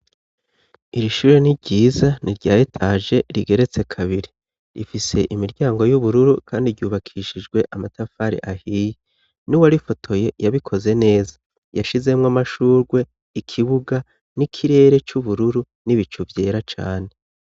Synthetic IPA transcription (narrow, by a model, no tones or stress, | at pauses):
iɾiʃuːɾe̞niɾɟiːzaniɾɟaːjetʰaʒe̞ɾiɡe̞ɾe̞t͡se̞kʰaβiɾi | ɾifise̞ʔimiɾɟaːŋɡo̞juβuɾuɾukʰaːndiɾɟuːβakʰiʃid͡ʒɡwe̞ʔamatafaɾḭʔahiːje | nuwaɾifo̞tʰo̞je̞jaβikʰo̞ze̞ne̞ːza | jaʃize̞mŋamaʃuːɾɡwe̞ | ikʰiβuɡa | nikʰiɾe̞ːɾe̞t͡ʃuβuɾuɾu | niβit͡ʃuvje̞ːɾat͡ʃa̰ːne̞